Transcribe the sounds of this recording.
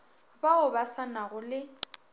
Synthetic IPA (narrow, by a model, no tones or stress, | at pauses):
baʊbasanaɣʊlɪ